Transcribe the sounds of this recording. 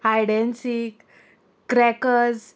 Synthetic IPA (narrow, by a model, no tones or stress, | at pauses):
hajɽɛnsikː | ɾɛkəz